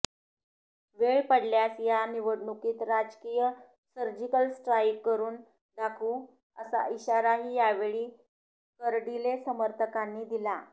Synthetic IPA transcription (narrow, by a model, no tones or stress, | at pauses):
ʋeɭpəɽljasjaniʋəɽɳukiːt̪ɾad͡ʑkijə | səɾd͡ʑikəlsʈɾajkkːəɾuːn | d̪akʰuː | əsa̰iɕaɾaɦiːjaʋeɭiː | kəɾɽilesəməɾt̪ʰəkanːiːd̪ila